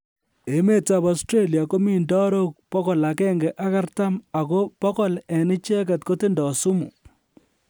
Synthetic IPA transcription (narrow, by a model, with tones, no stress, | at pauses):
e˨me˦ta˨pa˨stɾe˦li˨a˨ko˦mi˦˨ndɔ˦ɾo˦k̚pɔ˦kɔ˨la˨kɛ˦ŋɡe˨ʔa˦ka˦rta˦ma˨ko˦pɔ˦kɔ˦lɛ˨nɪ˦t͡ʃɛ˦kɛ˨tko˦tɪ˦ndɔ˨su˦mṵ˨